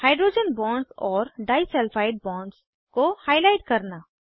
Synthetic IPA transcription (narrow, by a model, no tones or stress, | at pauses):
haːɪɖɾoːd͡ʒənbɔ̃ːɳɖzɔːɾɖaːɪsɛlfaːɪʈ̚bɔ̃ːɳɖs | kohaːɪlaːɪʈ̚kɐɾna